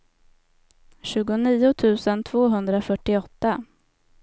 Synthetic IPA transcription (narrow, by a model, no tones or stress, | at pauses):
ɕʉ̟ːɡʊniːʊt̪ʰʉ̟ːsənt̪ʰv̥oːɦɵnd̪ɾafœʈːɪɔt̪ːa